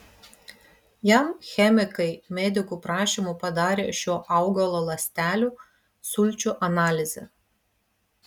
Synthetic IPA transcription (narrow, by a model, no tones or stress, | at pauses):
jɛmxʲɛmʲɪkɐɪmʲɛd̪ʲɪkuːˑpɾɑːʃʲimupɐd̪ɑːɾʲeːʃʲoːʔɐˑʊɡɐlˠoːlˠɐsʲt̪ʲæːlʲuː | sʊlʲˑt͡ʃʲuːʔɐnɑːlʲɪzʲɛ̰